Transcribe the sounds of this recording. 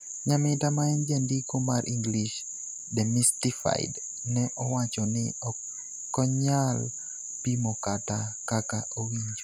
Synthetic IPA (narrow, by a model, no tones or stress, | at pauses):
ɲamɪtamaɛnd͡ʒɛndikomarʔiŋɡliʃ | dɛmistifa̰ɪ̰d | nɛʔɔwat͡ʃɔnɪɔ | kːɔɲal | pimɔkatakakaʔowiɲd͡ʒo